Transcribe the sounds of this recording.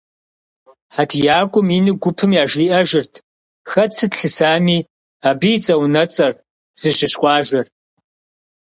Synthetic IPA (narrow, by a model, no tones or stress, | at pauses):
ħatʰjaːkʷʼʊminɨɡʷʊpʰɨmjaːʒiːʔɐʒɪrtʰ | xɐt͡sʰɨtɬɨsaːmiː | aːbɨjt͡sʼɐwnɐt͡sʼɐr | z̥ɨʒɪɕkʷʼɑːʒɐr